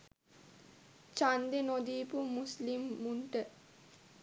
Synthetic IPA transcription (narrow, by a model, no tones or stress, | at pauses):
t͡ʃand̪enod̪iːpumuslimːuɳʈə